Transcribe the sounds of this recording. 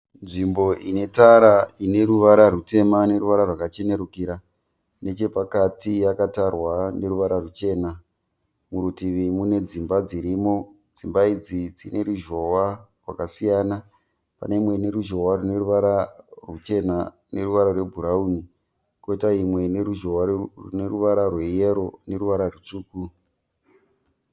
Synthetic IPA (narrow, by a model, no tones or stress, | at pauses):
nʐimbo̞ʔine̞taɾaine̞ɾuʋaɾarute̞mane̞ɾuʋaɾarwakat͡ʃe̞ne̞ɾukiɾa | ne̞t͡ʃe̞pakatijakatarwane̞ɾuʋaɾarut͡ʃe̞ːna | muɾutiʋimune̞d͡zimbad͡ziɾimo̞ | d͡zimbaid͡zid͡zine̞ɾuʒo̞warwa̰kasijaːna | pa̰neimwe̞ne̞ɾuʒo̞warune̞ruʋaɾarut͡ʃe̞na | ne̞ruʋaɾarwe̞bʱuɾauːni | koitaimwe̞neɾuʒowarune̞ruʋaɾarwe̞jeɾo̞ne̞ɾuʋaɾarut͡ʂuːku